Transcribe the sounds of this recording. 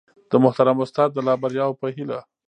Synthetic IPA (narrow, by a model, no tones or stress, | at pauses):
d̪̥əmʊht̪aɾamʊst̪ɑd̪̚ːəlɑbaɾjɑwpəɦila